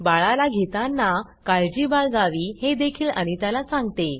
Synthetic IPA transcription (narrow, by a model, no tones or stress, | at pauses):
baɭalaɡʱet̪anːa | kajd͡ʑibaɭɡaʋiːhed̪ekʰiːlə̰ñit̪alasãŋɡt̪e